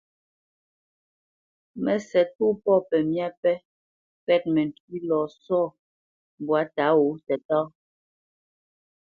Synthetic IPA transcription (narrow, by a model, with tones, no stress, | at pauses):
mɛ˨sɛ˨tu˦pɔ˦˨pɛ˨mja˦pɛ˦ | pɛ˦˨t̚mɛ˨n˨ti˦lɔ˨sɔ˦˨ | bwa˨˦ta˨˦wo˨˦tɛ˨tɔː˦